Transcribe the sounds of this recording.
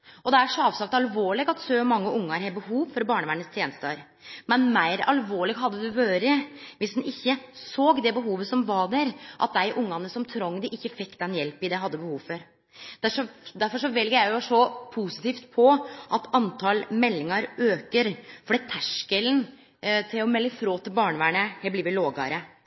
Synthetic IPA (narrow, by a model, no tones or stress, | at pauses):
ʔɔd̪ɛæʂɔɑːʋsɑk̚t̪ɑlʋoːɭɪɡɑt̪søːmɑŋːəʔʊŋːɑɾɛbəhuːʋfɔɾbɑːɳəʋæːɳəst̪ʰjeːnəst̪əɾ | mɛnmæɪɾɑ̰lʋoːɭɪɡɦɑd̪ːəd̪ʉʋøːɾəʋɪsd̪ɛnʔɪçːəsoːɡd̪ɛbəɦuːʋəsɔmʋɑɖ̪æɾʔɑ̰t̪̚d̪æɪʔʊŋːɑnəsɔmt̪ʰɾɔŋːd̪ɪʔɪçːəfɪkːd̪ɛnjɛlpɪd̪ɛɦɑd̪ːəbəhuːʋfɔɾ | d̪̥æʂɔd̪æɾfɔʂɔʋɛlɡəɾjæɪjʊsɔpʰusɪ̥t̪iːft̪pʰɔʔɑt̪ɑnt̪ʰɑlmɛlːɪŋɑɾøːkəɾfɔɖɛt̪ʰæʂkəln | t̪ʰɪlɔmɛlːəfɾoːt̪ʰɪlbɑːɳəʋæːɳəhɛbliːʋɪloːɡɑ̰ɾə